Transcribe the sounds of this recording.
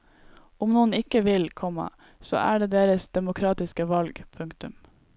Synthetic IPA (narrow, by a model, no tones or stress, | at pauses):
ʊmnuːnɪkəʋɪlkʰɔmɑ̰ | so̰ːʔæ̰ːɖeːd̪eːɾəsd̪ɛmʊkʰɾɑːt̪ɪskəʋɑlɡpʰʉŋkt̪ʉm